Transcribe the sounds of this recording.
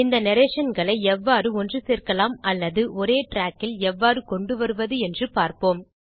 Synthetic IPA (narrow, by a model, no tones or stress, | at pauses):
ɪnd̪ɐnɐɾeːʂɐnɡɐɭɐɪɛʋːaːɾɯɔndrɯseːrkɐlaːmɐlːɐðɯʔɔɾeːʈɾaːkːɪlɛʋːaːɾɯkɔɳɖɯʋɐɾɯʋɐðɯɛndrɯpaːɾpoːm